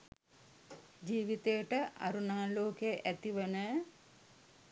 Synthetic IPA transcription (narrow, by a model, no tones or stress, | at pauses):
d͡ʒiːʋit̪ejəʈəʔa̰ɾunaːloːkejʔæt̪iʋənə